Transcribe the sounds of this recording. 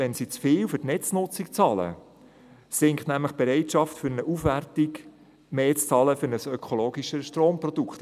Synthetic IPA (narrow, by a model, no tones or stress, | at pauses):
ɛnsit͡sfeːwfɵtnɛt͡snʊt͡sikt͡sɑːlə̰ | sɪŋktnæmləχb̥ɛɾɛɪtʃɑftfʏɾnəʔufʋærtiɡ | meːt͡st͡sɑːləfʏɾnəsœkʰoloːɡiʃəʃtroːmprɔd̥ukt̪